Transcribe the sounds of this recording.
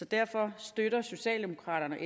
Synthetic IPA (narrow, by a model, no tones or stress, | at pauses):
ɒ̽d̥æɐ̰fɒ̽sd̥øɾɐso̝ɕɛ̰ːld̥e̝mo̝kʰʁɑ̰̈ːɾ̥ɐnəʔe